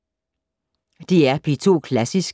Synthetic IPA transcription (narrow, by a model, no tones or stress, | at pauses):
d̥e̝æɐpʰit͡sʰo̝̰ːkʰlæsisɡ̥